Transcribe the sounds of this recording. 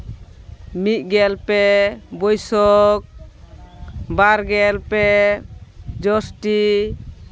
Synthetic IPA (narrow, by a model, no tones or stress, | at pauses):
mit̪̚ˀɡɛlpɛbɔjsɔk̚ | baɾɡɛlpɛ | d͡ʒɔsʈi